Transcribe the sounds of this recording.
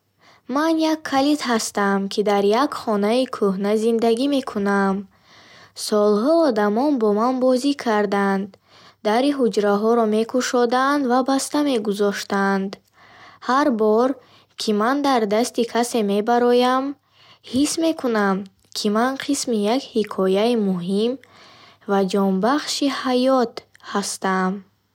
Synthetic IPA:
manjakʰːalit̪ɦast̪amkʰid̪aɾjakχɔnaikʰuɦnazind̪aɡime̞kʰunam | sɔlɦɔːd̪amɔnbɔmanbɔzikʰaɾd̪and̪ | d̪aɾiɦud͡ʒɾaɦɔɾɔme̞kʰuʃɔd̪and̪vabast̪ame̞ɡuzɔʃt̪and̪ | haɾbɔɾ | kʰimand̪aɾd̪ast̪ikʰase̞me̞baɾɔjam | hisme̞kʰunam | kʰimanqʰismijakhikʰɔjaimuɦim | vad͡ʒɔmbaχʃihajɔt̪hast̪am

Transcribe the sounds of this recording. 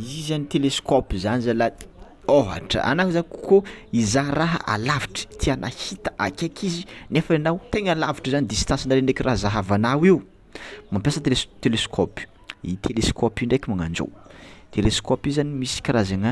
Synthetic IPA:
izanit̪eleskɔpizanizala | oɦa̰ʈ͡ʂə̰a̰nakuzanikukoizaraɦə̰ʔa̰laviʈ͡ʂə̥t̪ʰianʔa̰hit̪ə̥ʔakʲekʰizinefaanawt̪eŋalaviʈ͡ʂəzanid̪ist̪ansinaɾenɖ͡ʐekirʔaɦzaɦavanawiu | mampesəet̪eleskʰɔpi̥ | ḭt̪ʰeleskʰɔpiɳɖ͡ʐekʲimaŋa̰nd͡ʒo̰wt̪ʰeleskɔpizanimisi̥kʲirazaŋə

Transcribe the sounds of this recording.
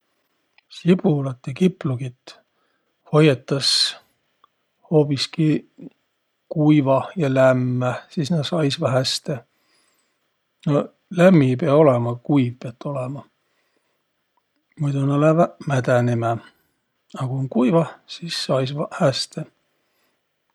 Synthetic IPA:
sib̥ulɑt̪ːjɑkipːluɡit̪ː | ho̞jet̪ːˑɑs | ho̞ːpiski | kuijvɑjɑlæmːæsisnɑsɑjsvɑɦæst̪e | no | læmːipeɑo̞lemɑkuijvpeɑt̪ːˑo̞lemɑ | mujd̪unɑlæmæd̪ænime | ɑkuoŋkujvɑsisːɑjsvɑhæst̪e

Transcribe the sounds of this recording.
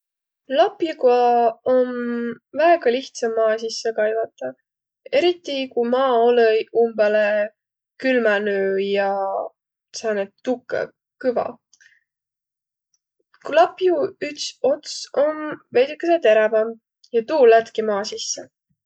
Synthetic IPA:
lɑpjukɑon | væeɡ̥ɑliht̪sɑmːɑːs̬isːekɑjvɑt̪ːˑɑ | e̞ɾit̪ˑːikujmɑːoləjumbɑle | kylmænøːjɑ | sɑnet̪ːukːˑḛ | kɯvɑ̰ | klɑpjuyksot̪so̞mvejd̪ikːˑeset̪e̞ɾɑbɑm | jɑt̪uːlæt̪kimɑːsisːe

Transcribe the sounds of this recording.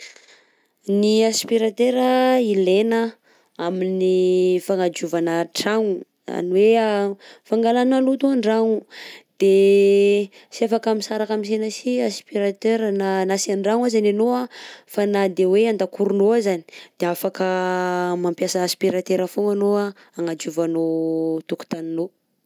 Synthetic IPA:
niaspiɾat̪eɾəilenə | aminifaŋad͡ʒuvanəʈ͡ʂaŋu | a̰niweafaŋɡalanalut̪oaɳɖ͡ʐaŋud̪̥e | siafakaminsaɾakamis̬enasiaspiɾat̪øɾnanasiaɳɖ͡ʐaŋazananoafanad̪eweand̪akuɾunoazani̥d̪̥eafakəmampjasaːspiɾat̪eɾafoŋanoa | aŋad͡ʒuvanot̪uku̥t̪anino

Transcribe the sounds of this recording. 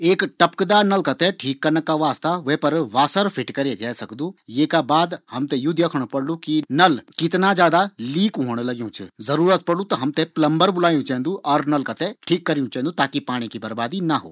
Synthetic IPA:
eːkʈɐpkd̪aːnɐlkɐt̪eʈʰiːkːɐɾnəkːaʋaːst̪aʋeɦpɐɾʋaːsəɾpʰɪʈkɐɾed͡ʒaːsɐkd̪ujeːkabaːd̪hɐmt̪ejʊd̪ʱjəkʰəɽ̃pɐɽlukinɐlkɪt̪nad͡ʒjaːd̪aliːkɦoːɽ̃lɐɡjũt͡ʃʰṵzɐɾuːɾət̪̚pɐɽlut̪ɐɦɐmt̪eplɐ̃mbəɾbʊlaːjũt͡ʃɛ̃ɦnd̪uʔɔːɾnɐlkɐt̪eʈʰiːkːɐɾjũt͡ʃɐ̃ːnd̪ut̪aːkipaːɽ̃ikibɐɾbaːd̪inɐɦo̰ː

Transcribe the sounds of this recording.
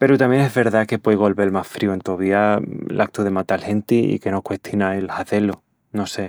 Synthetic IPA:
pe̞ɾut̪amjeŋezβe̞ɾðake̞pweðɣ̞o̞lβelmasfɾiue̞nt̪oβ̞iaḛlʔak̚t̪uðe̞mat̪alhe̞nt̪iḭke̞nokwe̞ht̪ʰjonaelhaθe̞lo | no̞se̞

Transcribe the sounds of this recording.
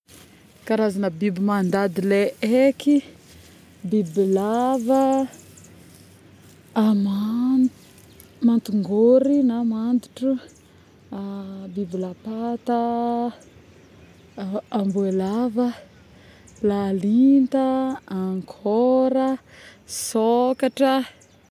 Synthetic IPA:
kaɾazanəbibimand̪ad̪ileeki | bibilavə | m | mant̪uŋɡoɾinamand̪uʈ͡ʂu | bibilapat̪a | ambuelav | lalint̪aaŋkʰoɾə | sokaʈ͡ʂə

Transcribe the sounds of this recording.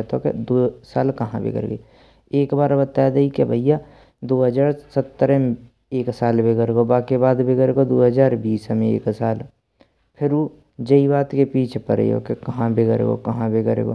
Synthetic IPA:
t̪okḛd̪oːsaːlkɐɦãbḛːɡə̰ɾɡḛ | eːkbaːɾbət̪aːjd̪aikebʱəija | d̪oːɦəd͡ʒaːɾsət̪ːəɾem | eːksaːlbeːɡəɾɡobaːkebaːd̪bʱeɡəɾeɡod̪oːɦəd͡ʒaːɾbiːsmẽḛːksaːl | pʰɪɾu | d͡ʒəibaːt̪kepiːt͡ʃʰpəɾḛo̰kekɐɦãbʱeɡəɾḛɡo̰kɐɦãbʱeːɡəɾḛːɡo̰

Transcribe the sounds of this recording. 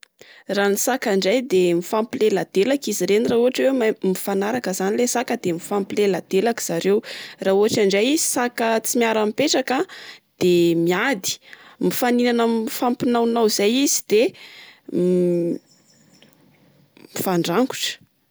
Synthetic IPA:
raːnisakaɳɖ͡ʐajd̪emifampilelad̪̥elakiziɾenirauɦaʈ͡ʂwewamifanaɾakəzanilesakəd̪emifampilelad̪elaki̥z̥aɾewrauaʈ͡ʂaɳɖ͡ʐajizisakət͡simiaɾamipeʈ͡ʂakad̪̥emiad̪i̥mifaninanamifampinawnawizajizid̪̥e | mifaɳɖ͡ʐaŋɡu̥ʈ͡ʂə̥

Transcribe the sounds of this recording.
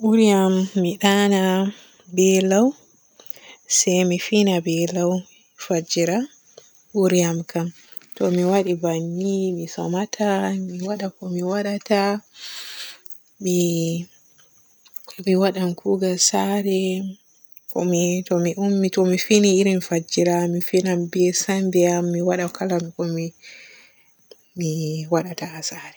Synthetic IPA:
ʔuɾijamːiɗana | bɛlaw | sɛjmifinabɛlaw | fad͡ʒiɾa | ʔuɾijamkam | tɔmiwaɗibanːimisɔmatʰamiwaɗakɔmiwaɗata | mi | miwaɗamkʰuɡasaɾɛ | kɔ̰mitɔmiʔumːitɔmifiniːɾimfad͡ʒiɾamifinambɛsambɛamːiwaɗakalamikɔmi | miwaɗataasaɾɛ

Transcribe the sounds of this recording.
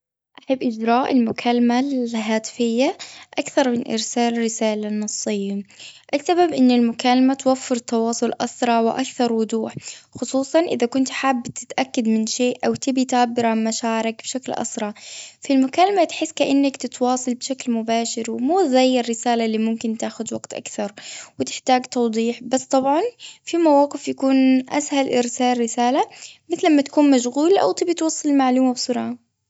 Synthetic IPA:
ʔaħabːʔɪd͡ʒɾɑːʔɪlmʊkʰalːamaɦaːt̪ɪ̥fɪjːaʔakθɑɾˤmɪnʔɪ̰ɾsaːlɪrːɪsaːlanːɑsˤːɪjːaʔɪsːababʔɪnːɪlmʊkalamat̪wafːɪɾt̪ːɑwɑːsˤʊlʔɑsɾˤɑʕwɪʔakθɑɾˤwʊd̪ˤuːħxʊsˤuːsˤɑnʔɪðakʊnt̪ħaːbːt̪ɪt̪ʔakːad̪mɪnʃeːʔʔawt̪ɪbit̪aʕbːɪɾʕanmaʃaːʕɪɾɪkb̥ʃaklʔɑ̰sɾˤɑfilmʊkaːlamat̪ħɪsːkaʔanːakt̪ɪt̪wɑːsˤɑlbʃaklmʊbaːʃɪɾwɪmuːzaːjːɪɾːɪsaːlalːiːmʊmkɪnt̪aːxʊd̪waɡt̪ʔa̰kθɑɾˤwɪt̪ɪ̥ħt̪aːɡt̪ɑwd̪ˤiːħbasːt̪ˤɑbʕɑnfimawɑːqɪfjakuːnʔa̰shalʔɪɾsaːlːɪsaːlamɪθlʔamːat̪ḁkuːnmaʃɣuːlʔa̰wt̪ɪbit̪wɑsˤːɑlmaʕluːmabsˤʊɾˤʕɑ

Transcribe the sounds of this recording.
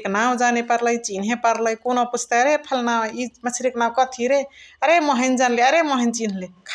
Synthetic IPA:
knaw̃d͡ʒanepəɾləjt͡ʃinɦẽpəɾləjkonoput͡ʃʰt̪eəɾepʰəlnaw̃imət͡ʃʰiɾiknaw̃kət̪ʰiɾeəɾeməɦənd͡ʒanleəɾeməɦəjnt͡ʃinɦlekʰ

